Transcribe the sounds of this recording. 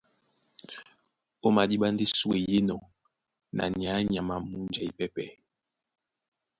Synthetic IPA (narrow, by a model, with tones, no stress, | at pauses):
o˦ma˨di˦ɓa˦n˦di˦swe˨je˦nɔ˨ | nʔa̰˨nja˨˦ɲa˨ma˨mu˦nd͡ʒa˨i˦˨pɛ˦pɛ˨